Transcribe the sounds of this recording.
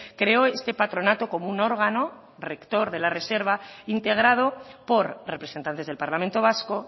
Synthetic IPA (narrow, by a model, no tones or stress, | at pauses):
kɾe̞o̞e̞st̪e̞pat̪ɾo̞nat̪oko̞mouno̞ɾɣ̞ano̞ | re̞kt̪o̞ɾðe̞lare̞se̞ɾβ̞aint̪e̞ɣ̞ɾað̞o̞po̞ɾrepɾe̞sent̪ant̪e̞zðelpaɾlament̪o̞β̞asko̞